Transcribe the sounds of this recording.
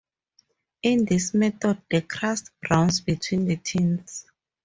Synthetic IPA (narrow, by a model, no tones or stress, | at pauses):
ĩndismɛtɔd̚dekʰɹastbɹãwnsbitʰwĩndətʰĩns